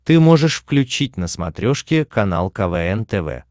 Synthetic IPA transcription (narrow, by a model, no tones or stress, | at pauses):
t̪ɨmoʐɨʂfklʲʉt͡ɕit̚ʲnəsmɐ̰t̪ɾʲoʂkʲɪkɐna̰lˠkɐvɛɛnt̪ɛvɛ̰